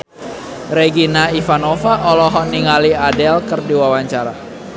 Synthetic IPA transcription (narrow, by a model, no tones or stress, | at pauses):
reɡinaifanofaʔɔlɔɦɔniŋaliadɛlkɨrdiwawaɲt͡ʃaɾa